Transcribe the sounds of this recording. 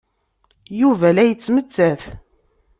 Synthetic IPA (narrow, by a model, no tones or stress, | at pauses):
juvælæjət͡sːmət͡sːæθ